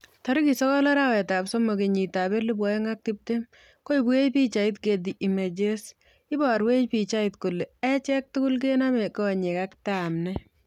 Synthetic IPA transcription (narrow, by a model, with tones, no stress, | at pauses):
tɐ˦ɾki˨sɔ˦kɔ˦la˦ɾawɛ˨ta˨pso˦mo˨ke˨ɲi˨tabe˦li˦b̬wɔ˨je˦ŋa˦k̚ti˦p̚te˦m | ko˦i˨bu˦e˦t͡ʃpi˦t͡ʃa˨i˦tke˨di˨ʔi˨me˨d͡ʒe˦s | i˦bɔ˨ɾwe˦t͡ʃpi˨t͡ʃa˦itku˨le˨ɛ˦t͡ʃɛ˦k̚tʊ˦kʊ˦lk̬ena˦me˨ko˦wa˨ɲe˨ka˦ktamnɛ˦